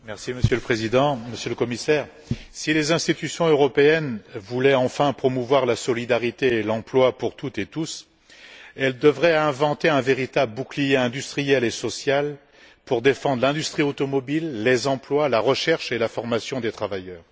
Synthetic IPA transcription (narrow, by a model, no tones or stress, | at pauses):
mɛʁsiməsjøləpχezid̪ɑ̃məsjøləkɔmisɛːʁ | silezɛ̃st̪it̪ysjɔ̃øʁɔpeɛnvulɛɑ̃fɛ̃pχɔmuvwaʁlasɔlid̪aʁit̪eːlɑ̃plwapuʁt̪ut̪et̪us | ɛld̪əvʁɛɛ̃vɑ̃t̪eɛ̃veʁit̪abləbuklijeɛ̃d̪yst̪χijɛlesɔsjal | puʁd̪efɑ̃d̪ʁlɛ̃d̪yst̪χiot̪ɔmɔbilːezɑ̃plwalaʁəʃɛʁʃelafɔʁmasjɔ̃d̪et̪χavajœːʁ